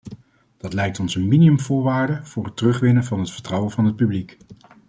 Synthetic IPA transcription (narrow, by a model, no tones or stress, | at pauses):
d̥ɑtlɛjk̚tɔnsənminiɵmvʊːɹʋaːɹdəv̥ʊːɹɦətərɵχʋɪnəvɑnɦətfəɹtrʌwəvɑnɦət̚pyblik